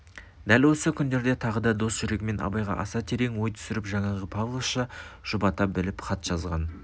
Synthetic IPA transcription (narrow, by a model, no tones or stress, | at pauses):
d̪ælwo̞səkʲʰʏnd̪e̞ɾd̪et̪ʰɑʁəd̪ɑd̪o̞sʒ̥ʏɾe̞ɡʲɪme̞nɑ̰bɑjʁɑ̰ʔɑsɑt̪ʰe̞ɾe̞ŋwo̞jt̪ʰʏ̥sɪɾɪpʒɑɴɑʁəpʰavlˠoʃɑʒ̥ʊbɑt̪ɑp̚bɪlɪpχʰɑt̪ʒ̥ɑzʁɑ̰n